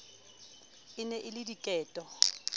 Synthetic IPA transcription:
ɪnɛʔɪlɪdikʼɛːtʼɔ

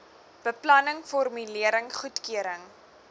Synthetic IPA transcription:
b̥əplɐnəŋfɔrmyliəɾəŋχutkyəɾəŋ

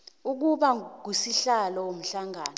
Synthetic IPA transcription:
uk̬uɓak̬usiɬalɔwom̩ɬaŋaːnɔ

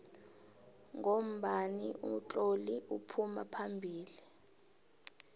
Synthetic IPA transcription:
ŋom̩ɓaniʔut͡ɬʼoliʔupʰumapʰambʱiːli

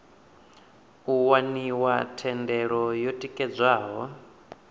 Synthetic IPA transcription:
uwaniwatʰɛndɛɺɔjɔtʼikʼɛd͡zwaːɦɔ

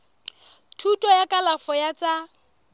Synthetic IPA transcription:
tʰutʼɔjakʼalafɔjat͡sʼa

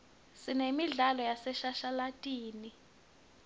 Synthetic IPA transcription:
sinemiɮalɔjasɛʃaʃalatʼiːni

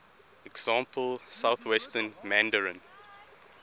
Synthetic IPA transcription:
ɛksɑ̃mpʰəlsaʊθwɛstənmæ̃ndəɹə̃n

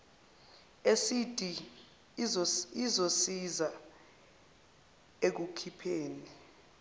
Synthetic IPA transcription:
esitʼi | izosiza | ek̬ukʰipʰeːni

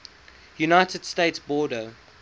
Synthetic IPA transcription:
junaɪtəd̥steɪtsbɔːdə

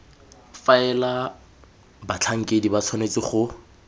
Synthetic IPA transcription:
faɛla | bat͡ɬʰaŋ̩kʼedibat͡sʰɔnet͡sɪχʊ

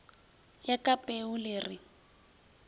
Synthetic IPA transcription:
jakʼapʼeʊlɪːrɪ

